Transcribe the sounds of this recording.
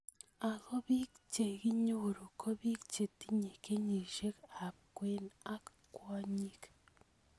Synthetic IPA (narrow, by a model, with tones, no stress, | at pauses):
a˨ko˦βi˦kt͡ʃe˨ɣi˦ɲu˦˨ɾu˨kʰo˦βi˦kt͡ʃe˨ti˦ɲe˨ke˦ɲi˨ʒe˦ka˨kwe˦na˦k | kwa˦ɲi˦k